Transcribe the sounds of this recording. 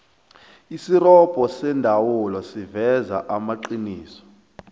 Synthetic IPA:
isirɔb̥ʼʱɔsɛndʱawulɔsivɛza̰ʔamaǃiniːsɔ̥

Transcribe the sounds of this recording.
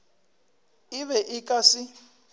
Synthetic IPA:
iβɛʔikʼasi

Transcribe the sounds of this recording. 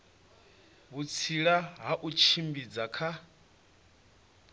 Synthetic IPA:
βut͡sʰiɺaɦaʔut͡ʃʰimbid͡zakʰa

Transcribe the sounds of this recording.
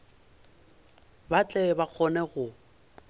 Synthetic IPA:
bat͡ɬʼɛbak͡xʰɔnɛɣʊ

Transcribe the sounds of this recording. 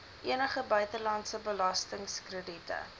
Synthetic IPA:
ʔiənəχəbœɥtəlɑntsəbəlɑstəŋskrəditə̰

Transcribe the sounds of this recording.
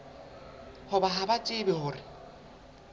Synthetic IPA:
hʊbaɦabat͡ʃʼɪbɛhʊːrɪ

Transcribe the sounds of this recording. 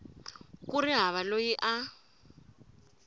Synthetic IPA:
kuriɦaβalojiʔa

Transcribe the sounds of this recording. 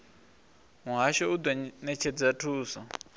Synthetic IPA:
ɦũɦaʃɔud̪wanɛt͡ʃʰɛd͡zatʰuːsɔ

